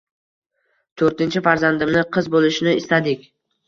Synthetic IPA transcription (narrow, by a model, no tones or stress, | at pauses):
t̪ʰɵɾt̪ɪnt͡ʃʰɪfaɾzand̪ɪmnɪqʰɨzbolɪʃnɪɪst̪ad̪ɪkʲ